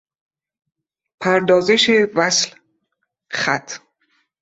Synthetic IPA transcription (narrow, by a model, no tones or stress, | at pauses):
pʰæɾd̪ɒːzeʃevæsl | xæt̪ʰ